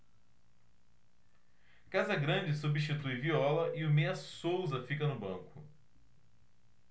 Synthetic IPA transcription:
kazɐɡɾɐ̃d͡ʒɪs̬ubiʃt͡ʃit̪ujviɔlɐʔiʊmeɐsowzɐfikɐnʊbɐ̃kʊ

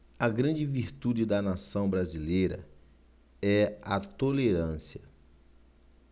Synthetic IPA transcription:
ɐɡɾɐ̃d͡ʒɪviɾt̪ud͡ʒɪd̪ɐnasɐ̃w̃bɾazilejɾɐ̰ | ɛat̪oleɾɐ̃siɐ

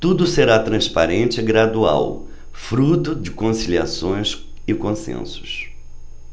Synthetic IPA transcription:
t̪ud̪ʊseɾat̪ɾɐ̃spa̰ɾẽnt͡ʃɪɪɡɾad̪ua̰w | fɾut̪ʊd͡ʒɪkõsilia̰sõj̃s | ɪkõsḛ̃sʊ̥s

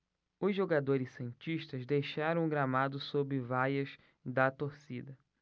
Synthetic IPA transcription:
ʊzʒoɡad̪oɾɪssẽnt͡ʃiʃt̪ɐzd̪ejʃaɾɐ̃w̃ɡɾamad̪ʊsobɪvajɐz | d̪ɐt̪oɾsid̪ɐ

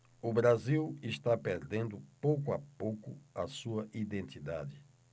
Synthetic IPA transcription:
ʊbɾaziwɪʃt̪apeɾd̪ẽnd̪ʊpowkʊapowkʊɐsuɐʔid̪ẽnt̪id̪a̰d̪ɪ

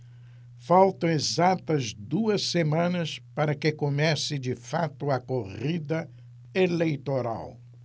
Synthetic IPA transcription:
fawt̪ɐ̃w̃ezat̪ɐzd̪uɐsemɐ̃nɐspaɾɐkɪkomɛsɪd͡ʒɪfat̪ʊɐkoʁid̪ɐ | elejt̪oɾa̰w

